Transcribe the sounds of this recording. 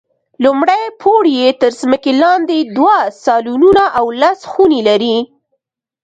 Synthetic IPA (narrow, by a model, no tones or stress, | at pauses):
lʊmɽajpʰoɽjet̪əɾzməkelɑnd̪ed̪wasɑlununaʔawlasxunelaɾi